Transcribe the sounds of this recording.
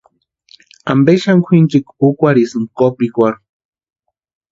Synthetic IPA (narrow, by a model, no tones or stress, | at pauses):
ambeʃaŋkʷʰint͡ʃikukʷaɾisɨŋkopikʷaɾu